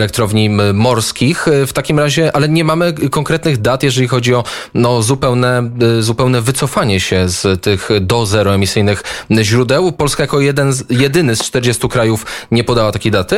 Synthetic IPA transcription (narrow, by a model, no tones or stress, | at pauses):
lɛk̚t̪ɾɔvɲimɔɾskʲixft̪akʲimɾaʑɛʔalɛɲɛmamɘkɔŋkɾɛt̪nɘɣd̪at̪jɛʐɛlʲixɔd͡ʑiɔnɔzupɛwnɛzupɛwnɛvɘt̪sɔfaɲɛɕɛzt̪ɘxd̪ɔzɛɾɔɛmʲisɘjnɘxʑɾud̪ɛwpɔlskajakɔjɛd̪ɛnjɛd̪ɘnɘst͡ʂt̪ɛɾd͡ʑɛst̪ukɾajufɲɛpɔd̪awat̪akʲejd̪at̪ɘ